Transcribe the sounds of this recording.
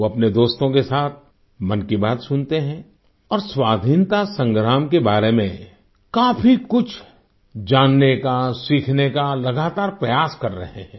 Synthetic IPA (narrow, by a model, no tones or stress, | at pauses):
oɐpned̪oːst̪õkesaːt̪̚ʰ | mɐ̃nkibaːt̪sʊnt̪eɦɛ̃ː | ɔːɾswaːd̪ʱiːnt̪asɐ̃ŋɡɾaːmkebaːɾemḛ̃ | kaːfʰikʊt͡ʃʰ | d͡ʒaːnːekasiːkʰnekalɐɡaːt̪aːɾpɾɐjaːskɐɾːɐɦeɦɛ̃ː